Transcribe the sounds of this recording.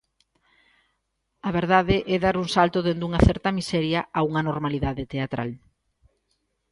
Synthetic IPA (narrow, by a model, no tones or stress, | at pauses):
ɐβeɾðaðeʔɛðaɾuŋsalt̪oðend̪uŋɐθɛɾt̪ɐmisɛɾjɐauŋɐnoɾmaliðaðet̪eat̪ɾʔa̰l